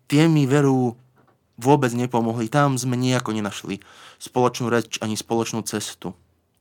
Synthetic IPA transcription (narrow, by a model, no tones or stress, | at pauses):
t̪ɪɛmiʋɛɾuː | ʋʊɔbɛd͡zɲɛpɔmɔɦlit̪amzmɛɲiakɔɲɛnaʃli | spɔlɔt͡ʃnuːɾɛt͡ʃaɲispɔlɔt͡ʃnuːt͡sɛst̪u